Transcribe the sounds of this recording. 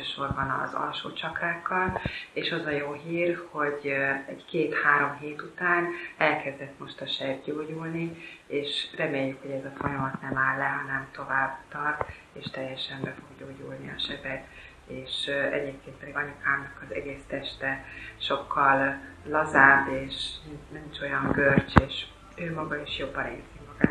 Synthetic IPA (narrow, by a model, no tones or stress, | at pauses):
øːʃo̞rbɒnɒ̰zɒ̰lʃo̰ːt͡ʃɒkraːkːɒleːʃɒzɒjoːɦiːrho̞ɟɛɟkeːt̪haːɾo̞mɦeːt̪ut̪aːnɛlkɛzd̪ɛt̪mo̞ʃt̪ɒʃɛbɟoːɟulnieːʃrɛmeːjːykho̞ɟɛzɒfo̞jɒmɒt̪nɛmaːlːɛɦɒnɛmt̪o̞vaːbt̪ɒrt̪ | eːʃt̪ɛjɛʃɛmbɛfo̞ɡɟoːɟulniɒ̰ʃɛbɛt̪ | eːʃɛ̰ɟeːp̚keːnt̪pɛd̪iɡɒɲukaːmnɒkɒzɛ̰ɡeːst̪ɛʃt̪ɛʃo̞kʰːɒlːɒzaːbeːʃnɛmit͡ʃo̞jɒŋɡørt͡ʃeːʃ | øːmɒɡɒiʃjo̞bːɒnḛːlt̪imɒɡa̰ː